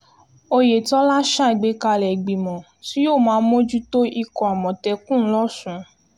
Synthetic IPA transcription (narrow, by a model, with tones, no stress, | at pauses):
o˧je˨tɔ˦la˦ʃa˦˨i˨ɡ͡be˨˦ka˧lɛ˨ɡ͡bi˨mɔ̃˨ | si˦joː˦˨mãː˨˦˧mõ˦d͡ʒu˦to˦i˧kɔ˨a˨mɔ̃˨tɛ˧kũ˦n̩˦lɔ˦sũ˨˦